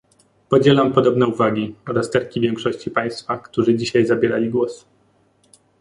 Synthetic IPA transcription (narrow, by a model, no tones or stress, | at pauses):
pɔd͡ʑɛlampɔd̪ɔbnɛuvaɡʲiɔɾast̪ɛɾkʲivʲjɛŋkʂɔɕt͡ɕipaj̃st̪fakt̪uʐɘd͡ʑiɕajzabʲɛɾa̰lʲiɡwɔs